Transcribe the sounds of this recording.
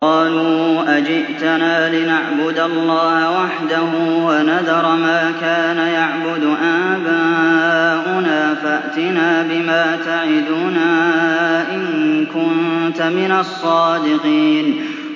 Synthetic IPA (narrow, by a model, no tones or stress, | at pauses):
qɑːluːʔad͡ʒɪʔt̪anaːlɪnaʕbʊd̪alːɑːhawaħd̪ahuːwanad̪ɑɾˤmaːkaːnajaʕbʊd̪ʊʔaːba | ʔʊnaːfaʔt̪ɪnaːbɪmaːt̪aʕɪd̪ʊnaːʔɪnkʊnt̪amɪnasˤːɑːd̪ɪqiːn